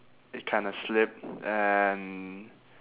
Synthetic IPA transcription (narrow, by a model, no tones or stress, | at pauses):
ɪt̚kʰãɪ̃ndəslɪp̚ɛn